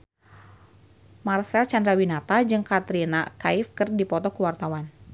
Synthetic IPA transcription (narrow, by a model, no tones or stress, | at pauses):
marsɛlt͡ʃandɾawinat̪ad͡ʒɨŋkat̪ɾinakaifkɨrdipɔt̪ɔkuwart̪awan